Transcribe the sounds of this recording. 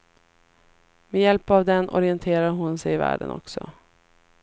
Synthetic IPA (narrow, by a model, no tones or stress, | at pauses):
mejɛlpavd̪ɛnʔɔ̰ɾɪɛnt̪ʰeːɾaɾɦʊnsɛjɪvæ̰ːɖənʔɔ̰ksɔ